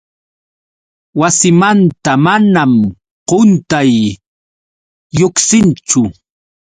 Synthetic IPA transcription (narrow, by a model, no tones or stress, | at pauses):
wasɪmant̪amanam | qont̪aj | oksɪnt͡ʃʊ